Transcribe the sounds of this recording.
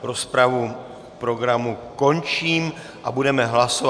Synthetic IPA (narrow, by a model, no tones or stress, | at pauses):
ɾospɾavu | pɾo̞ɡɾamuko̞nt͡ʃiːm | ʔabudɛmɛɦlasov